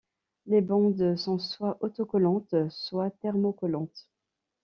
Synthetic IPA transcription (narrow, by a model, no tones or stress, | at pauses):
lebɑ̃d̪sɔ̃swaʔɔt̪ɔkɔlɑ̃t̪swat̪ɛʁmokɔlɑ̃t̪